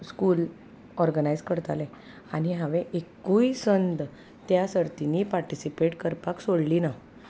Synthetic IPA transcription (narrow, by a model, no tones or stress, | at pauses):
skuːl | ɔɾɡənajd͡zkəɾt̪alɛ̃ | aniɦaʋɛ̃ʔekuisənd̪ | t̪jasəɾt̪iniːpaɾʈisipeʈkəɾpaksoɽlina